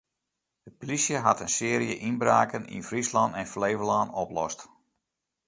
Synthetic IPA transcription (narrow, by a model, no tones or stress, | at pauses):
d̥əpolisjəɦatənsɪːɾijəʔinbraːkənḭnfrislɑntɛnfleːvəlaːnɔplɔst